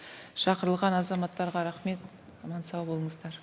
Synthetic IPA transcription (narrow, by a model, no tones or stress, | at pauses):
ʃɑqəɾəlˠʁɑnɑzɑmɑt̪ːɑɾʁɑɾɑχme̞t̪ | ɑmɑnsɑwbo̞lˠəɴəzd̪ɑɾ